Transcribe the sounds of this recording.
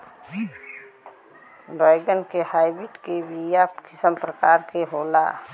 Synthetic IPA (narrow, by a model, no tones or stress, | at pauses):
baɪɡənkehaːɪbiʈkebʱijakɪsəmpɾəkaːɾkeɦoːla̰